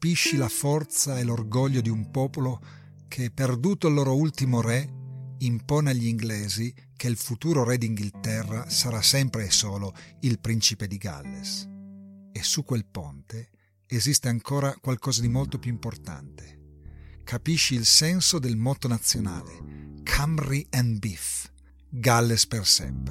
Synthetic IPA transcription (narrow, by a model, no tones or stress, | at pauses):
kapiʃːilafɔrt̪saelorɡɔʎːod̪iumpɔːpolo | kʰeperd̪uːt̪olːɔːɾoult̪imoɾɛimpɔːneaʎːiŋɡlɛːzi | keilfut̪uːɾoɾɛd̪iŋɡilt̪ɛrːasaɾasɛmpɾeːsɔːloilpɾint͡ʃiped̪iɡa̰lːes | esukːwelpɔnt̪eː | zist̪eaŋkʰɔːɾakwalkɔːzad̪imɔlt̪opjuimport̪a̰nt̪e̥ | kʰapiʃːiːlsɛnsod̪elmɔt̪onat̪sːjona̰ːlḛkʰamriɛnbif | ɡalːespersɛ̰mpɾe